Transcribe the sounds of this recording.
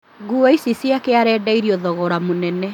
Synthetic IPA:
ɡuaisisiakeaɾɛːdaiɾiɔðɔɣɔɾamonɛnɛ

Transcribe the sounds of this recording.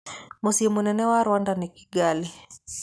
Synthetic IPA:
musimunɛnɛwaɾwandaniki̥ɡali

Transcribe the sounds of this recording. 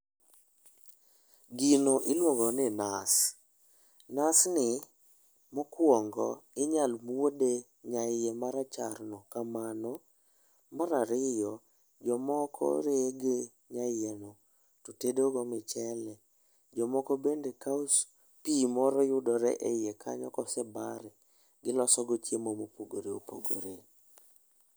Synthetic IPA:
ɡinoʔɪlwɔɡɔnɪnas | nasnɪ | mokwɔŋɡɔ̰ɪɲalmwode | ɲajɛmaɾat͡ʃa̰rnɔkamanɔ | maɾaɾɪjɔ | d͡ʒɔmɔkʰɔ̰ɾeɡe | ɲajeno | totedoɡɔmɪt͡ʃɛlɛ | d͡ʒɔmɔkɔbendekaʊs | pimɔɾɔjʊdɔɾɛ̰ʔɛɪjekʰa̰ɲɔkɔsɛba̰ɾɛ | ɡɪlɔsɔɡɔt͡ʃjemomopoɡoɾeopo̰ɡo̰ɾe

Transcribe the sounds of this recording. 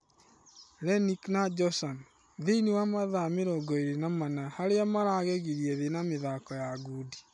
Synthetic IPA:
lɛniknad͡ʒɔsɔn | ðeiniwamaðameɾɔɡɔeɾenamanahaɾeamaɾaɣɛɣiɾiɛðenameðakɔjaɡudi̥

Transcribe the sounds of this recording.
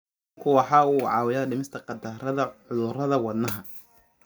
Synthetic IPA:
kʰʊwɑħɑːuːʕɑ̰ːwɪjaːɖɪmɪst̪ʰɐqɑd̪ɐrɐðɐʕʊðʊrɐðɐwɐd̪nɐɦɐ

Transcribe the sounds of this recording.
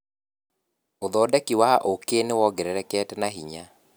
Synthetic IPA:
oðɔdɛkiwaʔokenewɔɡɛɾɛɾɛkɛtɛnaɦiɲa

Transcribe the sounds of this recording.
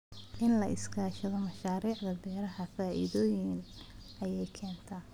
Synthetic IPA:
ʔɪnlɐʔɪskʰaːʃɐðɔmɐʃaːɾiːʕðɐbɛːɾɐɦɐfaːʔɪ̰ðɔːjɪnʔɐjɛjkʰɛːnt̪ʰaː

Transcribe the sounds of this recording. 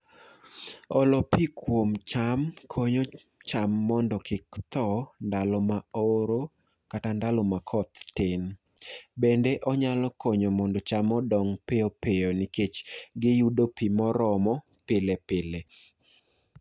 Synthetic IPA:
ɔlɔpikʰwomt͡ʃamkʰoɲo | t͡ʃamːɔndɔkɪkt̪ɔndalɔmaoɾo | katandalɔmakʰɔt̪tɪn | bendeʔɔɲalɔkɔɲomɔndɔt͡ʃamɔdɔŋpeopeoniket͡ʃɡɪjudopimɔɾɔmɔ | pɪlepɪle

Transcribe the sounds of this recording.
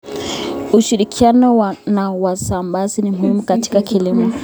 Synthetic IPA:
uʃiɾikʰianɔwnawasambazinimuhimukati̥kakilimɔ

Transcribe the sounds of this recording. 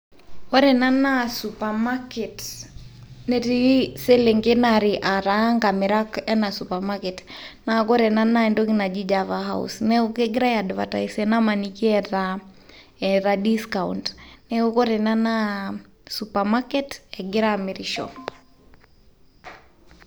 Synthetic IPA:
ɔɾɛnanasupamakɛt | nɛtisɛlɛŋɡɛnaɾiʔaɾaŋɡamiɾakɛnasupamakɛtnakɔɾɛnanaɛndɔkinad͡ʒid͡ʒavaɦa̰ṵsnɛukɛɡiɾajadva̰ta̰isɛnamanikiɛɾa | ɛɾadiskaṵndnɛukɔɾɛnana | supamakɛtɛɡiɾamiɾiʃɔ̰

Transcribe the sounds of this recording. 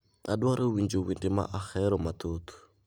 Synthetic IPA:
adwaɾʔɪwind͡ʒiwindima̰ʔaxɛɾɔmatʰoːt̪ʰu̥

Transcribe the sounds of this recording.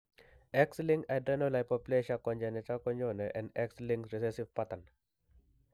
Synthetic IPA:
ɛkslĩŋɡajdɛnolajpɔpuleʃakɔ̃nd͡ʒɛnɛtakɔɲd͡ʒonɛʔɛ̃ndɛkslĩŋɾisɛsivpatan

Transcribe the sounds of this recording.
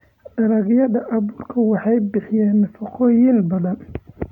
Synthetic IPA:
ɖɐɾɐɣjɐðɐʔɑβuːrkʰɐwɑħɑjbɪħɪjɛːnfɑqɔːjɪnbɐðɐn

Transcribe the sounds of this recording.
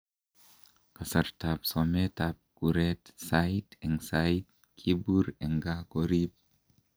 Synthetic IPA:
kasaɾtapsometap̚kuɾetsaitɛŋsajit̚ | kʰibuɾɛŋɡakoɾip̚

